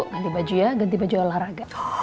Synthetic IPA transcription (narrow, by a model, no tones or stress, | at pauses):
ʊʔɡant̪ibad͡ʒuaɡant̪̬ibad͡ʒualahɾaɡa